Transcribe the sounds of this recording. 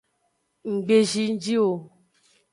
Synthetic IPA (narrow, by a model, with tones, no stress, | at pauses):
ŋ̩˨ɡ͡be˨ʒi˦n̩˦d͡ʒi˦wo˨